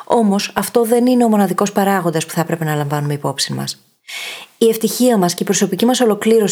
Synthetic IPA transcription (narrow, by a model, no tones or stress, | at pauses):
o̞mo̞sɐft̪o̞ðe̞nine̞o̞mo̞nɐðiko̞spɐɾɐɣo̞nd̪ɐspu̥θɐpɾe̞pe̞nɐlɐɱvɐnume̞ipo̞psinmɐ̰s | ie̞ft̪içiɐmɐsce̞ipɾo̞so̞picimɐso̞lo̞kliɾo̞s